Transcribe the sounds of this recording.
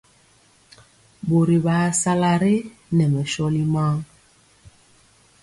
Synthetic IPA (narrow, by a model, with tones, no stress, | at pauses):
bo˨ɾi˨baː˨sa˦la˨ɾe˦ | nɛ˨mɛ˨ʃɔ˦li˦ma˦ŋ